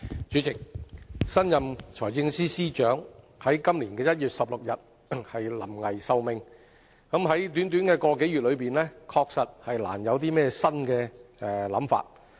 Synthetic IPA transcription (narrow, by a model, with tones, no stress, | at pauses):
t͡ʃy˨˥t͡sɪ˨k̚sɐ˥njɐ˨mt͡ʃʰɔː˨˩jt͡sɪ˧ŋsiː˥siː˥t͡ʃœː˨˥ŋ | hɐ˨˥jkɐ˥mliː˨˩nkɛː˧jɐ˥t̚jyː˨t̚sɐ˨p̚lʊ˨k̚jɐ˨t̚ | hɐ˨jlɐ̰˨˩mŋɐ˨˩jsɐ˧wmɪ˨˧ŋ | kɐ˨˥mɦɐ˨˥jt̪̬yː˨˥nt̪yː˨˥nkɛː˧kɔː˧ke˨˥jyː˨t̚lɵ˨˧piː˨nlɛː˥kʰɔː˧k̚sɐ˨t̚hɐ˨jla̰ː˨˩njɐ˨˧wt̪̬iː˥mɛː˥sɐ˥nkɛː˧ɛ˨˩lɐ̰˨˥mfa̰ː˧t̚